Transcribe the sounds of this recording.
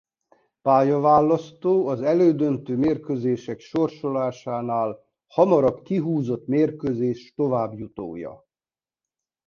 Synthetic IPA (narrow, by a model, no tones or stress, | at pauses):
paːjɒvaːlːɒst̪oːɒzɛløːd̪ønt̪øːmeːrkøzeːʃɛkʃo̞rʃo̞laːʃaːnaːl | hɒmɒɾɒbkiɦuːzo̞t̪meːrkøzeːʃt̪o̞vaːbjut̪o̰ːjɒ̰